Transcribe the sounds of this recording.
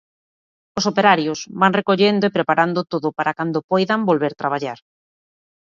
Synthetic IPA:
osopeɾaɾjosβaŋrekoʎend̪oepɾepaɾand̪ot̪oðʊpaɾakand̪opɔjðambolβeɾt̪ɾaβ̞aʎaɾ

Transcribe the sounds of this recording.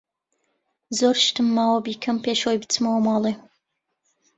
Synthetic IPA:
zoːɾʃt̪ɨmːawɐbikʰɐmpʰeːʃojbɨt͡sʰɨmɐwmɑːlˠe

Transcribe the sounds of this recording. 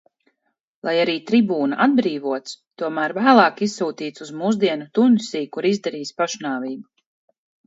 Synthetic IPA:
lˠajaɾiːt̪ɾibuːnaʔad̪̚bɾiːvuɔt̪st̪uɔmæːɾvæːlˠɑːkissːuːt̪iːt̪suzmuːzd̪iɛnut̪unsʲiːkuɾizd̪ɛɾiːsʲpaʃnaːviːbu

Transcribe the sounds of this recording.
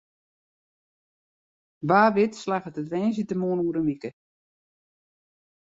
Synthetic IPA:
ʋaːʋɪtslaɣətətʋɛːnsitəmoːnuːɾəmikə

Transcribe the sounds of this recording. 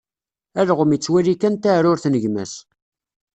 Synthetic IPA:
æðʁəmit͡sːwæɾikænt̪aɾʊɾθnəʝmæ̰s

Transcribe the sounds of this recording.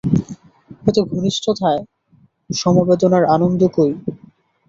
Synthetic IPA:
ɦet̪oɡʱuniʃtʰot̪ʰae | ʃɔmobed̪onaɾanond̪ʱokoj

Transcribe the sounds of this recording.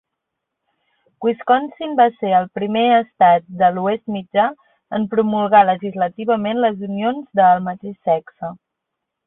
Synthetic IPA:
kwiskɔnsimbaseɾəlˠpɾimeəst̪at̪̚d̪əluest̪mid͡ʒa | əmpɾumulˠɣaləʒizlət̪iβ̞əmenləzunionzðəlˠmət̪eʃːɛksə

